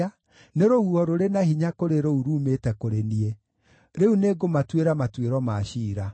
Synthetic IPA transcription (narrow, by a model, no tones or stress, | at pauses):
a | neɾohuɔɾoɾenahiɲakoɾeɾouɾuːmetɛkoɾenie | ɾeuneɡomatweɾamatweɾɔmaɕiːɾa